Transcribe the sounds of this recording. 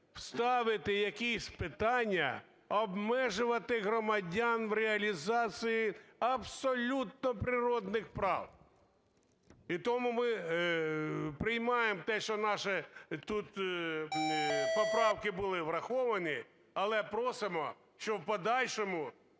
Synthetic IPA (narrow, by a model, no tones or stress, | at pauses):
wst̪ɑʋɪt̪ɪjɐkʲisʲpɪt̪ɑnʲːɐ̰ | ɔbmɛʒʊʋɐt̪ɪɦɾɔmɐdʲɑnʋɾeɐlʲizɑt͡sʲijiɐbsɔlʲut̪̚nɔpɾɪɾɔd̪nɪxpɾɑ̰w | it̪ɔmumɪ | pɾɪjmɑjemt̪ɛʃt͡ʃɔnɑʃɪt̪ut̪ | pɔpɾɑwkɪbʊlˠɪʋɾɐxɔʋɐnɪ | ɐlˠɛpɾɔsɪmɔ | ʃt͡ʃɔwpɔd̪ɑlʲʃɔmʊ